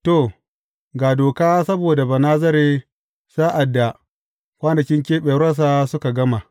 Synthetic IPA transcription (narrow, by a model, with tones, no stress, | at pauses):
to˨ | ɡaː˨doː˨kaː˦sɐ˦boː˨da˨ba˨naː˦zɐ˦ɾeː˦ | saː˦ʔa˨dːa˨ | kʷaː˦nɐ˨kʲɪ˦ŋkʲeː˦ɓeː˨ɾɐ˦s̬aː˦sʊ˦ka˨ɡɐ˦ma˨